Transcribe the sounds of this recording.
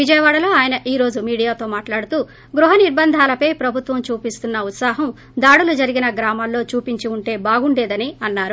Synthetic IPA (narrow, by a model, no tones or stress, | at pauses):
ʋid͡ʒɐjɐʋaːɽɐlo̞ːaːjɐnɐʔiːɾo̞ːd͡ʒumiːɽijaːt̪o̞ːmaːʈlaːɽut̪uː | ɡɾuɦɐniɾbɐnd̪ʱaːlɐpɐjpɾɐbʱut̪ʋɐmt͡ʃuːpist̪unːɐut̪saːɦɐm | d̪aːɽulɐd͡ʒɐɾiɡinɐɡɾaːmaːlːo̞ːt͡ʃuːpiɲt͡ʃiuɳʈe̞ːbaːɡuɳɖeːd̪ɐniɐnːaːɾu